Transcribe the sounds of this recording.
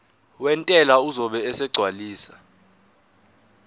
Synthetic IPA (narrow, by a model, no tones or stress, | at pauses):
wɛntʼɛlauzɔɓɛːsɛɡ͡ǀʱwaliːsḁ